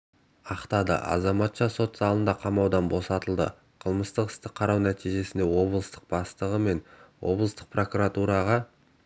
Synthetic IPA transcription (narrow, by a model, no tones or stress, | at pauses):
ɑqt̪ɑd̪ə̰ʔɑ̰zɑmɑt̪ʃɑso̞t̪zɑlˠənd̪ɑqʰɑmɑwd̪ɑnbo̞sɑt̪əlˠd̪ə̰ | qʰəlˠməst̪əqɪ̥st̪ɪqʰːɑɾɑwnæt̪ijʒe̞sɪnd̪e̞wo̞blˠəst̪ə̥q̚b̥ɑst̪əʁəme̞nwʔo̞̰blˠəst̪əq̚pro̞kuɾat̪uɾɑʁɑ